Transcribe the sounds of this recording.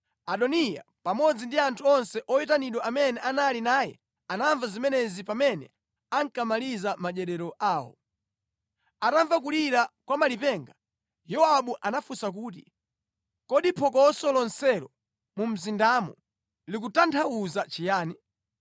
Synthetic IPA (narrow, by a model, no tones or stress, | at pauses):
aɗɔnija̰ | pamɔd͡zindiantʰuɔnsɛʔɔjit̬aniɗɔʔamɛnɛʔanalinaːjɛ̰ | anaɱvazimɛnɛzipamɛnɛ̰ | aŋkamalizamad͡ʒɛɾɛɾɔʔaːwɔ̰ | ataɱvak̬uliɾakwamalipɛŋɡa | jɔwaɓuʔanafusak̬uːt̬i | kɔɗipʰɔkɔsɔlɔnsɛɾɔ | mum̩zindamɔ̰ | lik̬utantʰauzat͡ʃijaːni